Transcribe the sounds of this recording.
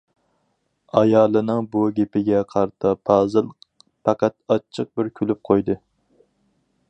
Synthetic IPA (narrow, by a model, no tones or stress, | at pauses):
ɑjɑːlˠɨnɨŋbuɡʲepɪɡʲɛqʰɑɾt̪ʰɨpʰɑːzɨlˠ | pʰɑqɑt̪ɑt͡ʃʰːɨq̚bɪɾkʲʰylyp̚qʰojd̪ɨ